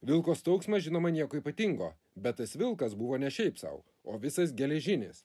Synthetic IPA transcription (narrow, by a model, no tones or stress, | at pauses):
ʋʲɪlˠkoːst̪ɒʊksmɐʒʲɪnoːmɐnʲiɛkoːiːpɐt̪ʲɪŋɡoː | bʲɛt̪̚t̪ːɐsʋʲɪlˠkɐsbʊʋoːnʲɛʃʲɛɪpsɐ̰ʊ | oːʋʲɪsɐs̬ɡʲɛlʲɛʒʲɪnʲḛːs